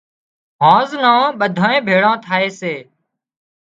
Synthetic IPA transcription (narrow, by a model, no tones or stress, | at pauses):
ɦãːznãːɓəd̪ʱãːẽːbʱeːɽãːt̪ʰaːeːseː